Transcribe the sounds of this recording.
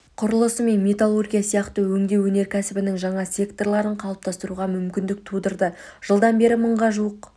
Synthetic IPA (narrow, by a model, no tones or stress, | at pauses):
qʰʊɾəlˠəsəme̞nmʲet̪alˠo̞rɡʲijasijɑqt̪əwɵŋd̪ʲe̞wɵne̞ɾkʲʰæsɪbɪnɪŋʒɑɴɑsʲe̞kt̪o̞rlˠɑɾəɴqʰɑlˠəp̚t̪ʰɑst̪əɾuʁɑmʏmkʲɪnd̪ɪk̚t̪ʰud̪əɾd̪ə | ʒ̥əlˠd̪ɑnbe̞ɾɪməɴʁɑʒuwəq